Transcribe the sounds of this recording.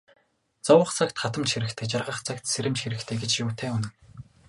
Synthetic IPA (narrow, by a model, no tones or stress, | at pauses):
t͡sɔwə̆χt͡sʰakt̪χat̪ə̆mt͡ɕxiɾɘ̆kt̪ʰĕːkt͡ɕarʁə̆χt͡sʰakt̪seɾɘ̆mt͡ɕxiɾɘ̆kt̪ʰeːɡet͡ɕjʊːt̪ʰeːunɘ̆